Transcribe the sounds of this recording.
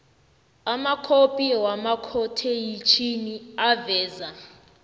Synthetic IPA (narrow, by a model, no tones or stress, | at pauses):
amakʰopʼiwamakʰɔtʰejit͡ʃʰiniavɛːza